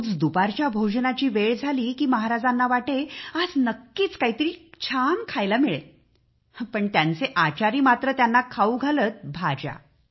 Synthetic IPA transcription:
d͡zd̪upaɾt͡ɕjabʱod͡ʑnat͡ɕiːʋeɭd͡zʱaliːkiːməɦaɾad͡zanːaʋaʈead͡znəkːiːt͡skaɦit̪əɾiːt͡ɕʰankʰajlamiɭḛ | pəɳt̪jant͡seʔat͡ɕaɾiːmat̪ɾət̪janːakʰauɡʱalət̪̚bʱad͡ʑa̰

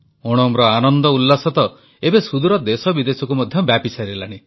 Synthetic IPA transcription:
ɔɽ̃ɔmɾɔanɔnd̪ɔulːasɔt̪ɔ | ebesud̪uɾɔd̪esɔbid̪esɔkumɔd̪ʱjɔbjapisaɾilaɽ̃i

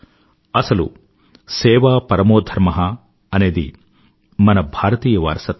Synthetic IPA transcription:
ɐsɐlṵ | sɛːʋaːpɐɾɐmoːd̪ʱɐɾmɐɦɐː | ne̞ːd̪ḭ | mɐnɐbʱaːɾɐt̪iːjɐʋɐ̰ɾsɐt̪

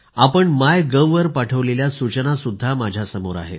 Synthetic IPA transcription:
apəɳmajɡəʋːəɾpaʈʰəʋleljasut͡ɕənasud̪ʱːamad͡ʑʱjasəmoɾa̰ɦḛt̪

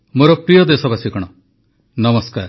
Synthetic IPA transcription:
moɾɔpɾijɔd̪esɔbasikɔɽ̃ɔ | nʌmɔskaɾ

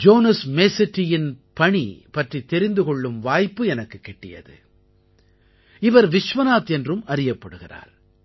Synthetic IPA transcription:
d͡ʒoːnɐsmeːsɪʈːɪjɪnpɐɳipɐʈrit̪ːɛɾɪnd̪ɯkɔɭːɯmʋaːjpːɯɛnɐkːɯkːɛʈːɪ̰jɐ̰ðɯ̰ | ɪʋɐɾʋɪʂʋɐnaːt̪ɛndrɯmɐɾɪjɐpːɐɽɯɣɪra̰ːɾ

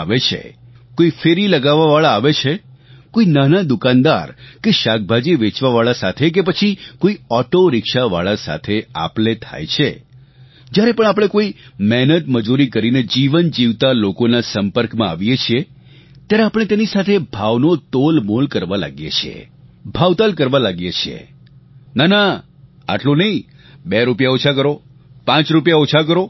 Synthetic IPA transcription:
aʋet͡ʃʰḛ | koifeɾiləɡaʋːaʋaɭaːʋet͡ʃʰe | koinanad̪ukãnd̪a̰ɾkeʃak̚bʱad͡ʒiʋet͡ʃʋaʋaɭasat̪ʰek̬ep̬ət͡ʃʰikoiɔʈoɾɪkʃaʋaɭasa̰t̪ʰea̰plet̪ʰa̰jt͡ʃʰe | d͡ʒjaɾepəɳ̃apɽ̃ekoimɛɦnət̪məd͡ʒuɾikəɾined͡ʒiʋənd͡ʒiʋt̪alokonasəmpəɾkmãaʋjet͡ʃʰie | t̪jaɾeapəɽ̃et̪enisat̪ʰebʱaʋnot̪olmolkəɾʋala̰ɡjḛt͡ʃʰḛbʱaʋt̪alkəɾʋalaɡjet͡ʃʰḛ | nana | a̰ʈlonəĩ | beɾupjaot͡ʃʰak̬əɾo | pãt͡ʃɾupjaot͡ʃʰak̬əɾo

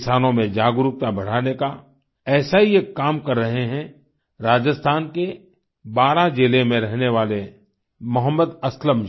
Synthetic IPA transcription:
saːnõmẽd͡ʒaːɡʊɾʊk̚t̪abɐɽ̤aːneka | ɛːsaɦijekaːmkɐɾːɐɦeɦɛ̃ | ɾaːd͡ʒəst̪ʰaːnke | baːɾad͡ʒeːlemẽɾɛɦneʋaːle | mʊɦəmːəd̪ɐsləm

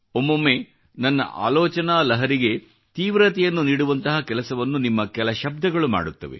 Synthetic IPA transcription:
omːomːe | nɐnːɐ̰ʔa̰ːlɔːt͡ʃɐnaːlɐɦɐɾiɡe̞ | t̪iːʋɾɐt̪ɛjɐnːuniːɽuʋɐnt̪ɐɦɐkɛlɐsɐʋɐnːunimːɐkɛlɐʃɐb̚d̪ʱɐɡɐɭuma̰ːɽut̪ːɐʋḛ

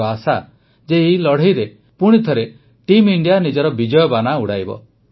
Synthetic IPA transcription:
asa | d͡ʒeilɔɽ̤ejɾe | puɽ̃it̪ʰɔɾe | ʈimiɳɖijanid͡ʒɔɾɔbid͡ʒɔjɔbanauɽajbɔ̰

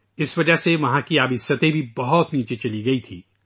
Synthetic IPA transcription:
ɪsʋɐd͡ʒəɦseʋɐɦãkiaːbɪsət̪ẽbʱibɐɦɔt̪niːt͡ʃet͡ʃɐliɡɐit̪ʰiː

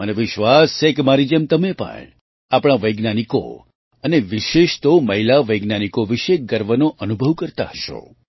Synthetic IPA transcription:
məneʋɪʃʋast͡ʃʰekemaɾid͡ʒemt̪əmepə̰ɳ | apɽ̃aʋəjɡnaniko̰ | əneʋiʃeʃt̪oməɦilaʋəjɡnanikoʋiʃeɡəɾʋənoʔənubʱəʋkəɾt̪a̰ɦəʃo̰

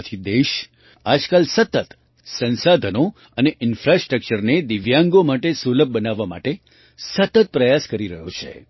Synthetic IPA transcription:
t̪ʰid̪eʃ | ad͡ʒkalsət̪ət̪ | sə̃nsad̪ʱəno | əneʔɪnfɾasʈɾək̚t͡ʃəɾned̪ɪʋjãŋɡomaʈesuləb̚ʱbənaʋːama̰ʈe | sət̪ət̪̚pɾəjaskəɾiɾəɦjot͡ʃʰḛ

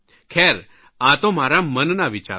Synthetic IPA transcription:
kʰɛɾ | at̪om̤aɾamənnaʋit͡ɕa̰

